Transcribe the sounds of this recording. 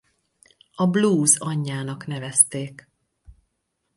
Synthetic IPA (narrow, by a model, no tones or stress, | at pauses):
ɒbluːzɒɲːaːnɒkn̪ɛvɛst̪eːk